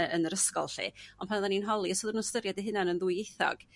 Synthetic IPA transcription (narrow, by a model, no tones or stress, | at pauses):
ənəɾəskɔlˠɬḭɔnpʰanðaninɦɔlˠisoðənustəɾjadiɦɪnanənðuɨejθɔ̰ɡ̥